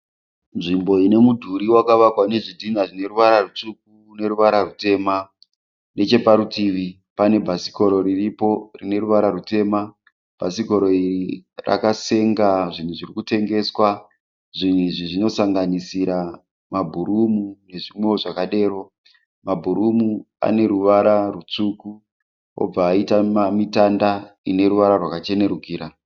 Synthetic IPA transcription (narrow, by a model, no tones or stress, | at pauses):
nʐimbo̞ine̞mudʱuɾiwakaʋakwane̞ʐidʱinaʐine̞ruʋaɾarut͡ʂuk̚u | ne̞ɾuʋaɾarute̞ːma | ne̞t͡ʃe̞paɾutiːʋi | pane̞bʱasi̥ko̞ɾo̞ɾiripo̞rine̞ruʋaɾaɾute̞ma | b̥ʱasiko̞ɾo̞irira̰kase̞ŋɡaʐin̤uʐirikute̞ŋɡe̞swa | ʐiniʐiʐino̞saŋɡanisiɾa | mabʱuɾumune̞ʐimwe̞oʐakaɗe̞ːro̞ | mabʱuɾumu | a̰ne̞ɾuʋaɾarut͡suːku | o̰b͡vaːitamamitandaine̞ɾuʋaɾarwakat͡ʃe̞ne̞ɾuɡʱiːɾa